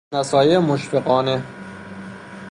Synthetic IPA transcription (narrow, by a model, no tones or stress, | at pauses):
næsɒːjemoʃfeɢɒːne